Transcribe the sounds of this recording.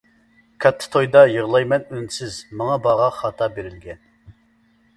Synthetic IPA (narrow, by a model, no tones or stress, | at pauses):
kʰɑt̪ʰːɨ̥t̪ʰojd̪ɑjəʁlˠɑjmɛnynsɪzmɑŋɑbɑʁɑχɑt̪ʰɑbeɾɪlɡʲɛn